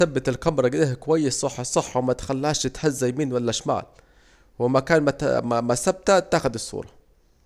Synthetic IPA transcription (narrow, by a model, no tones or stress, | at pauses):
sæbːɪt̪ɪlkɑmɾˤɑɡliːhkowæjːesˤsˤɑħːɑsˤɑħːɑwmæt̪xælːæːʃt̪hæzːæjmiːnwælːæʃma̰ːl | wɪmækæːnmæmæsæb̚t̪æt̪ːaːxʊd̪ɨsˤːṵːɾˤɑ